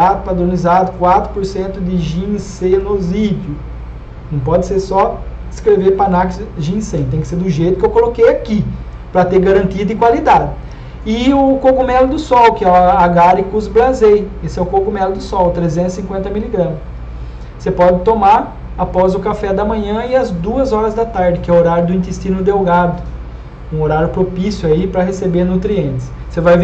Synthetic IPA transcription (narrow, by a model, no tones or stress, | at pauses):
apad̪ɾõnizad̪ʊkwat̪ɾʊpoɾsẽnt̪ʊd̪ɪʒĩnsejnozid͡ʒʊ | nɐ̃w̃pɔd̪ɪseɾsɔ | ɪskɾeveɾpanakɪsʒĩnsẽjt̪ẽj̃kɪ̥seɾd̪ʊʒejt̪ʊkewkolokejaki | pɾɐt̪eɾɡaɾɐ̃nt̪id̪ẽkwalid̪ad̪ɪ | ɪʊkokumɛlʊd̪ʊsɔwkɪɛaɡaɾɪkʊzblazejesɪɛʊkokumɛlʊd̪ʊsɔwt̪ɾezẽnt̪ʊ̥sĩŋkwẽnt̪ɐmiliɡɾɐ̃mʊs | sepɔd̪ɪt̪omaɾ | apɔzʊkafɛd̪ɐmɐ̃ɲɐ̃ɪɐzd̪uɐzɔɾɐzd̪ɐt̪aɾd̪ɪkɪɛʊoɾaɾjʊd̪ʊĩnt̪est̪ĩnʊd̪ewɡad̪ʊ | ũoɾaɾjʊpɾopisjʊaipɾɐɦesebeɾnut̪ɾiẽnt̪ɪ̥s | sevajv